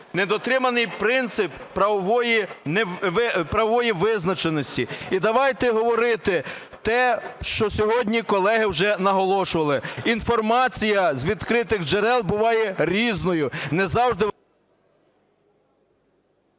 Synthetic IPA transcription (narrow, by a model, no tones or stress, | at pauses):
ned̪ɔt̪ɾɪmɐnɪjpɾɪnt̪sɪpːɾɐɔʋɔjinɛɪpɾɐʋɔʋɔjiʋɪznɐt͡ʃenɔsʲtʲiid̪ɐʋɑjt̪ɛɦɔʋɔɾɪt̪ɪ | t̪ɛʃt͡ʃɔsʲɔɦɔdʲnʲikɔlˠɛɦɪwʒɛnɐɦɔlˠɔʃʊʋɐlˠɪinfɔrmɑt͡sʲijɐzʲʋʲid̪kɾɪt̪ɪɣd͡ʒeɾɛlˠbʊʋɑjɛɾʲiznɔjʊnɛzɑwʒd̪ɪ